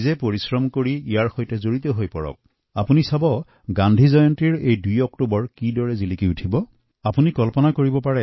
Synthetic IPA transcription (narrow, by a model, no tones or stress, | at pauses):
zɛpoɹisɹɔmkoɹiijaɹxojtɛzoɹitɔɦojpɔɹɔ̰k̚ | apunisabɔ | ɡandʱizɔjɔntiɹejdujɔk̚tubɔɹkidɔɹɛzilikiutʰibɔ | apunikɔlpɔnakoɹibɔpaɹɛ